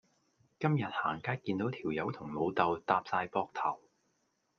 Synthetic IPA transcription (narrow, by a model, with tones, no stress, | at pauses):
kɐ˥mjɐ˨t̚ha̰ː˨˩ŋkaː˥t̚kiː˧nt̪o˨˥wt̪ʰiː˨˩wjɐ˨˥wt̪ʰʊ˨˩ŋlo˨˧wt̪ɐ˨wt̪aː˧p̚saː˧jpɔː˧k̚t̪ʰɐ˨˩w